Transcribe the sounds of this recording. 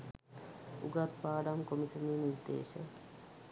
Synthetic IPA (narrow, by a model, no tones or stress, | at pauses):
ṵɡat̪paːɖamkomisɐminiɾd̪ḛːʃə